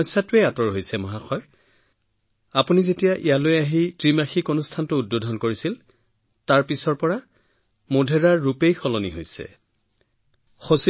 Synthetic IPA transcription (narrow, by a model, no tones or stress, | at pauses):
satʊeatɔɹɦojsɛmɔɦaxɔj | apunizetijaʔḭjalojaɦitɹimaxikonustʰantʊːd̚bodʱɔnkoɹisil | taɹpisɔɹpɔɹa | modʱɛɹaɹːupejxɔlɔniɦojsɛ̰ | xos